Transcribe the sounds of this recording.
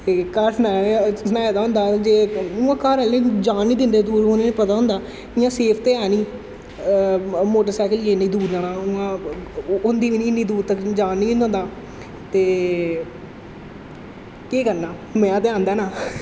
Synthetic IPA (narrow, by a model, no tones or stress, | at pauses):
ekaɾsnaːsənaːjed̪aːɦʊ̃nd̪aːd͡ʒeːʊãːkaɾɛlẽːd͡ʒaːnːiːd̪ɪnd̪eːd̪uːɾõeːnːpət̪aːɦʊ̃nd̪aː | ɪjãːseːpʰt̪eːɛːniː | moːʈəɾsɛːkəljeːniːd̪uːɾd͡ʒaːɽaːʊãː | ʊnd̪iːʋiːniːnːiːd̪uːɾt̪əkd͡ʒaːnːiːnd̪̃nd̪aː | t̪eː | keːkəɾnaː | mɛ̃ːat̪eãːnd̪aːnaː